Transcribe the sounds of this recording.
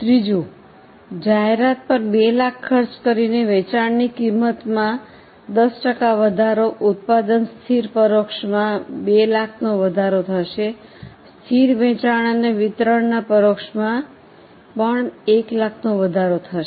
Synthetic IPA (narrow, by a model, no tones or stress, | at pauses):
t̪ɾid͡ʒu | d͡ʒaɦeɾat̪̚pəɾbelakʰːəɾt͡ʃkəɾineʋɛt͡ʃaɳnikimːət̪mã | d̪əsʈəkaʋəd̪ʱaɾoʔʊt̪̚pad̪ənst̪ʰiɾpəɾokʃmãbelakʰnoʋəd̪ʱaɾot̪ʰəʃe | st̪ʰiɾʋɛ̃t͡ʃaɽ̃əneʋɪt̪ɾəɳnapəɾokʃmã | pəɳeklakʰnoʋəd̪ʱaɾot̪ʰəʃe